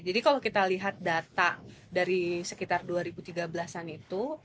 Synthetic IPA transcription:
d͡ʒadikalokit̪aliɦat̪̚dat̪adaɾisəkit̪arduaɾibut̪iɡabəlasanit̪u

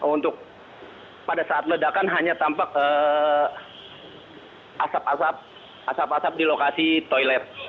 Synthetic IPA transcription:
unt̪ʊk̚ | padasaːt̪̚lədakanɦaɲat̪ampak̚ə | ʔasapasap̚ | ʔasapasap̚dilokasit̪ojlɛr

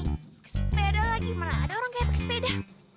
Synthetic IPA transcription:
kspedalaɡimanaːdaoɾaŋkajapɛkspeda

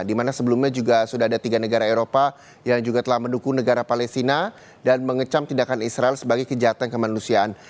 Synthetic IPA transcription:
dimanasəbəlumɲad͡ʒuɡasudaɦadat̪iɡanəɡaɾaeɾopa | jaŋd͡ʒuɡat̪əlahmənukunəɡaɾapalɛst̪ina | danməŋət͡ʃamt̪indakanisɾaɛlsəbaɡajkəd͡ʒaɦat̪ankəmanusiaʔan

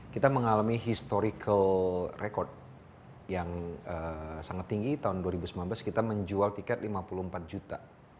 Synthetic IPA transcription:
kit̪aməŋalamiɦist̪oɾikʰəlrekɔrd̪̚ | jaŋəsaŋat̪ːiŋɡit̪aɦʊnduaɾibusəmlanblaskit̪aməɲd͡ʒualt̪ikɛt̪̚limapuluhəmpat̪̚d͡ʒut̪a

